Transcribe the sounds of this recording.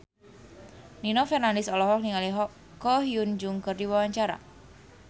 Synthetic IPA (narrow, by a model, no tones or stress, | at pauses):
ninɔfɛrnandɪsɔlɔɦɔk̚niŋaliɦɔ | kːɔhiund͡ʒuŋkərdiwawaɲt͡ʃaɾa̰